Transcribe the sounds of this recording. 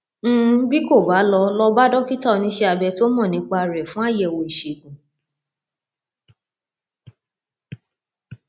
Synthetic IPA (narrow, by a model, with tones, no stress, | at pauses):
bi˦ko˦˨ba˨˦lɔ˧lɔ˧ba˦dɔ˦ki˦ta˦ɔ˧nĩ˧˦ʃe˧a˧bɛ˧to˦mɔ̃˦˨nĩ˨˦k͡pa˧˨ɾɛ˨fũ˨˦a˦˨jɛ˨wo˧i˨ʃe˨ɡũ˨